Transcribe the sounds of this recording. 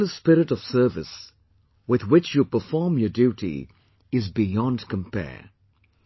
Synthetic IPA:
əspɪɾɪɾʌv̥sɜ˞vɨs | wɪðwɪt͡ʃjupə˞fɔɹmjədjuɾḭ | ɪzbijɔ̃ndkʰə̃mpʰɛ̰

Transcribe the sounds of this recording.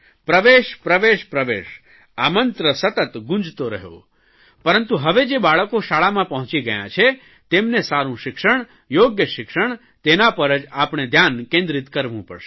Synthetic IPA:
pɾəʋeʃpɾəʋeʃpɾəʋḛʃ | amənt̪ɾəsət̪ət̪ɡũnd͡ʒt̪oɾəɦjo̰ | pəɾənt̪uɦəʋed͡ʒebaɭəkoʃaɭamãpəɦʊ̃t͡ʃiɡəjã̰t͡ʃʰe | t̪emnesaɾũʃɪkʃəɳ̃ | joɡjəʃɪkʃəɳ̃ | t̪enapəɾəd͡ʒapɳ̃ed̪ʱjankẽnd̪ɾit̪kəɾʋũpə̰ɽʃe̥

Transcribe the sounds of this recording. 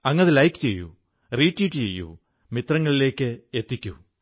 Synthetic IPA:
ɐŋːɐnɐðɨlɐjkːɨ̥t͡ɕe̞̰jːṵ | riːʈːijiʈːɨt͡ɕe̞̰jːṵ | mit̪rɐŋːɐɭile̞ːkʲːɨe̞t̪ːikʲːṵ

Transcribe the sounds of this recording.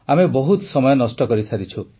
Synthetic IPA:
amebɔɦut̪ɔsɔmɔjɔnɔsʈɔkɔɾisʰaɾit͡ʃʰu

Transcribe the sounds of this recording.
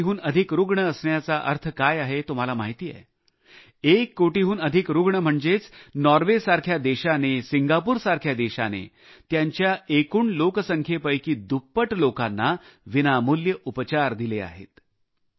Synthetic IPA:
ɦuːnəd̪ʱikɾuɡɳəəsɳjat͡saʔə̰ɾt̪ʰəkajaɦet̪um̤alamaɦit̪iːjɛ̰ | ekːoʈiɦuːnəd̪ʱikɾuɡɳəm̤əɳd͡zet͡snɔɾʋesaɾkʰjad̪eɕanesiŋɡapuːɾsaɾkʰjad̪eɕa̰nḛ | t̪jaɲt͡ɕjaekuːɳloksəŋkʰjepəjkiːd̪upːəʈlokanːaʋinamuljəʔupət͡ɕaɾd̪ilea̰ɦḛt̪

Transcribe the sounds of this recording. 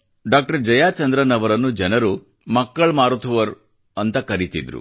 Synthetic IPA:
ɖaːk̚ʈɐɾd͡ʒɐjaːt͡ʃɐnd̪ɾɐnɐʋɐɾɐnːud͡ʒɐnɐɾu | mɐkːɐɭmaːɾut̪ʰuʋɐɾ | ɐnt̪ɐkɐɾit̪id̪ɾṵ

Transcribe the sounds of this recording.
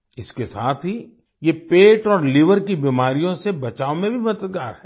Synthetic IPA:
ɪskesaːt̪ʰɦi | jepeːʈɔːɾlɪʋəɾkibiːmaːɾijõsebɐt͡ʃaːomẽbʱimɐt̪əɡaːɾɦɛː

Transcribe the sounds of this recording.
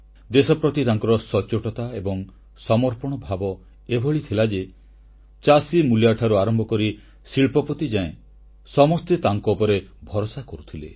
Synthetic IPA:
d̪esɔpɾɔt̪it̪aŋkɔɾɔsɔt͡ʃoʈɔt̪aebɔŋ | sɔmɔɾpɔɽ̃ɔbʱabɔ | ebʱɔɭit̪ʰilad͡ʒe | t͡ʃasimuljaʈʰaɾuaɾɔmbʱɔkɔɾi | siɭpɔpɔt̪id͡ʒaẽ | sɔmɔst̪et̪aŋkɔupɔɾebʱɔɾosakɔɾut̪ʰilḛ

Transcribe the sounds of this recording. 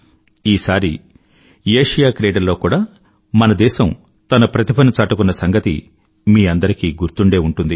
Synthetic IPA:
iːsaːɾi | eːʂɐjaːkɾeːɽɐlːo̞ːkuːɽaː | mɐnɐd̪ɛːʃɐm | t̪ɐnɐpɾɐt̪ipʰɐnut͡ʃaːʈukunːɐsɐŋɡɐt̪ḭ | miːɐnd̪ɐɾikiɡuɾt̪uɳɖe̞ːuɳʈund̪i

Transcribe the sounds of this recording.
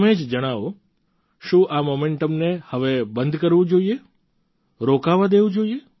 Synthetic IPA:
med͡ʒd͡ʒəɽ̃aʋo | ʃũʔamomeɳʈəmnehəʋebənd̪ʱkəɾʋũd͡ʒoie | ɾokaʋad̪eʋũd͡ʒoie

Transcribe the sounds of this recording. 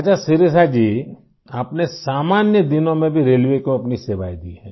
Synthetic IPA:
at͡ʃʰasɪɾesad͡ʒiː | aːpnesaːmaːnjəd̪ɪnõmẽbʱiɾeːlʋekoɐpniseːʋa̰ːid̪iɦɛ̃ː

